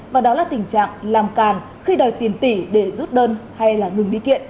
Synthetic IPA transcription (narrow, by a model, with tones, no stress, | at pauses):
vaː˨˩ɗɔ˨˦laː˨˩t̪ï˨˩ŋ̟t͡ɕa̰ː˧˨ŋlaː˨˩mkaː˨˩n | xi˧ɗɔ˨˩jt̪i˨˩ənt̪i˧˩ɗe˧˩zu˦˥t̚ɗəː˧nha˧jlaː˨˩ŋɨ˨˩ŋɗi˧kḭ˧˨ənʔ